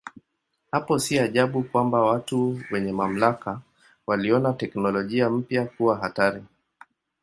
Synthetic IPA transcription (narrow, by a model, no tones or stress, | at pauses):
hapɔsiaʄaɓukwambawatuwɛɲɛmam̩laka | waliɔnatɛknɔlɔʄiam̩pjakuwaɦataɾi